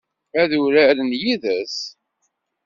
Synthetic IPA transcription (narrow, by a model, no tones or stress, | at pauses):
æðuɾæɾənjiðæs